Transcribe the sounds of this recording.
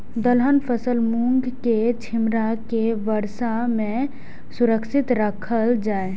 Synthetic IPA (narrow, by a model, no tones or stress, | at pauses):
d̪əlɦənpʰəsəlmũŋɡket͡ʃʰɪmɾakeʋəɾʃamẽ | sʊɾəkʃɪt̪ɾəkʰəld͡ʒaːe